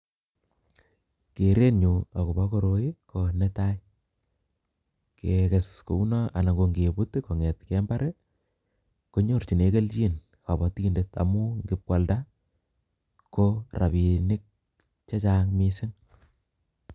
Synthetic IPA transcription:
ke˨ɾe˦nɲu˨a˨ko˨ba˦ko˦ɾo˨i˦ko˨ne˦taj | ke˨ke˨sko̰˨u˦nɔʔa̰˨na˨ŋɡo˨ŋɡe˨pu˦tiko˨ŋe˨tkemba˦ɾe | ko˦ɲo˦˨ɾt͡ʃi˨ne˨ke˦lt͡ʃi˦n | ka˨bɔ˨˦tindeta̰˨mu˦ŋɡɪ˦p̚kwa˨lda˦ | kora̰˨βi˨nɪ˦k̚ | t͡ʃe˦t͡ʃa˦ŋmi˦sɪ˦ŋ

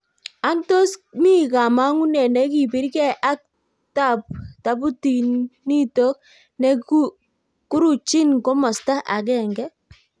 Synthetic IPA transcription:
a˦nto˦smi˦ka˨ma˦ŋu˦nɛ˨nɛ˦ki˨pi˨˦ɾkɛ˦ʔa˦k̚ | ta˦˨p̚ta˨bu˦ti˨ni˦to˦k̚ | nɛ˦ | ku˦ɾu˨t͡ʃi˦nko˦mɔ˨sta˦ʔa˨k̬ɛ˦˨ŋɡɛ˦

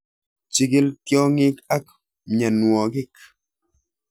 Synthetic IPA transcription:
t͡ʃi˨ɡi˦ltjɔ˦ŋi˦ka˦k̚ | ɲa˨nwɔ˨kɪ˦k̚

